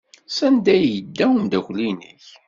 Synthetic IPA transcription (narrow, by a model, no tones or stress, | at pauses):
sænd̪æjəd̪ːæwənd̪æçlinḭç